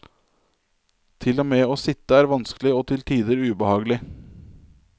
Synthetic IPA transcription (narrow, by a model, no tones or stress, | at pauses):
t̪ʰɪlːoːmeːoːsɪt̪ːəæːɾʋɑnsklɪoːt̪ʰɪlt̪ʰiːd̪əɾʉːbəhɑːɡlɪ